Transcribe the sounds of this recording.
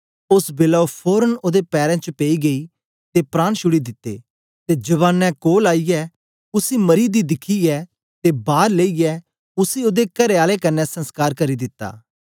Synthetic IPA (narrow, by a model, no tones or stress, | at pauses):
ʊsbeːlaopʰoːɾənoːd̪epɛːɾɛ̃t͡ʃpeːiɡɐi | t̪epɾãːnʃʊɽid̪ɪt̪ːḛː | t̪ed͡ʒɐβaːnːɛ̃koːlaːijɛ | ʊsimɐɾid̪id̪ɪkʰiɛ | t̪ebaːɾleːijɛː | ʊsioːd̪ekɐɾeaːlekɐnːɛsɐ̃nskaːɾkɐɾid̪ɪt̪ːa̰ː